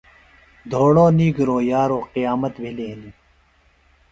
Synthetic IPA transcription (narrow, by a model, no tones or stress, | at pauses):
d̪ʱoːɽoːniːɡɾoːjaːɾoːqijaːmɐt̪bʱileːniː